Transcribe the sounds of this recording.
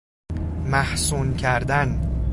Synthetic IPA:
mæhsuːncʰæɾd̪æn

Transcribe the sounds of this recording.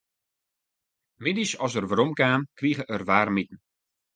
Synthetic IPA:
mɪdisɔsərʋəɾɔmkaːmkriːɣəʔərʋaːrmitən̩

